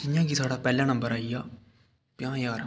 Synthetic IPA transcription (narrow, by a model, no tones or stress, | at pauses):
ɪjãːkit̪ʰaːɽaːpɛːljãːnə̃mbəɾaːijaː | pɪjãːjaːɾ